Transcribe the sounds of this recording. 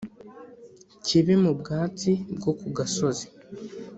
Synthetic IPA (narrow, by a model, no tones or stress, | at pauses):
ciβimubɡaːt͡sib̚ɡo̞kuɡaso̞ze̥